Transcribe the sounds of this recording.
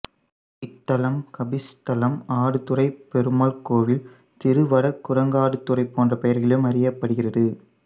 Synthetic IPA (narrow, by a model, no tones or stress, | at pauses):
ɪʈ̪ːɐlɐmkɐbɪst̪ɐlɐmaːɽɯt̪ɯrɐɪpɛɾɯmɐlkoːʋɪl | t̪ɪɾɯʋɐɽɐkːʊrɐŋɡaːɽɯt̪ːɯrɐɪpːoːndrɐpɛjɐɾɣɐlɯmɐɾɪjɐpːɐɽɯɣɪrɐðɯ